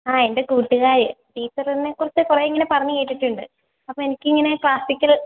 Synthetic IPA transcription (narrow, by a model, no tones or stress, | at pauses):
aːendekuːʈːuɣaːɾɐ̰ʈiːt͡ɕːɐrɐnːekːurɐt͡ɕːɨkureːiŋːɐne̞pɐrɐɲːɨkejiʈːiʈːuɳɖɨ̰ | ɐpːoːenikʲːɨiŋːɐne̞kɭaːsikʲːɐl